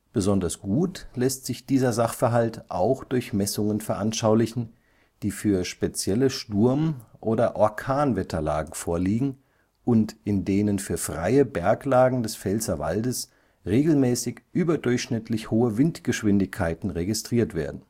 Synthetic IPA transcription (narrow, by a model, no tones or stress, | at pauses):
b̥əzɔndɐsɡ̥uːtlɛstz̥ɪçd̥iːzɐzaχfɛɐɦaltʔaʊxd̥ʊɐçmɛsʊŋənfɛɐʔanʃaʊlɪçn̩ | d̥iːfyːɐʃpet͡sjɛləʃtʊɐmʔoːɾɐʔɔɐkʰaːnvɛtʰɐla̰ːɡŋ̩foːɐliːɡŋ̩ | ʔʊntɪndeːnənfyːɐfʁ̥a̰ɪəbɛɐklaːɡŋ̩dɛsfɛlzɐva̰ldəs | ʁeːɡl̩mɛːsɪçʔyːbɐdʊɐçʃnɪtʰlɪçhoːəvɪntɡ̥əʃv̥ɪndɪçkʰaɪtn̩ʁeɡɪstʁ̥iːɐtv̥eːɐdn̩